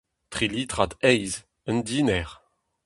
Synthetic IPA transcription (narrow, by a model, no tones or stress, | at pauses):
t̪χiliːt̪ʁad̪ɛjz | ənd̪iːnɛʁ